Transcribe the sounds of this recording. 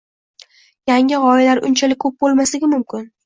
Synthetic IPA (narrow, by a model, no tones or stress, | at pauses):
jaŋʲɪʁɒɪlaɾʔʊnt͡ʃʰalɪkʲkʰːɵp̚bolˠmaslɪɡʲɪmʊmkʲɪn